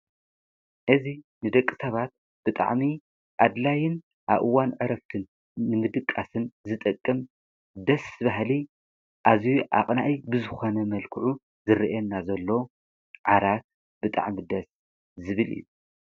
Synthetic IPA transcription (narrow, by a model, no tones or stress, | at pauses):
ʔɨzinɨd̪ɐkʼːɨsɐβat̪̚ | b̥ɨt̪ʼa̰ʕmi | ʔad̪lajɪn | ʔaβʔɨwanʕɨɾɐft̪ʰɨnː | ɨnɨd̪ɨkʼːasɨnzɨt̪ʼɨkʼːɨm | d̪ɐsɨβaɦli | ʔazjuʔa̰qʼnaʔijbɨzɨxo̞nɐmɐlkʰɨʕu | zɨɾiʔɛnːazɐlːow | ʕaɾat̪̚ | bɨt̪ʼa̰ʕmid̪ɐs | zɨβɨlḭjːu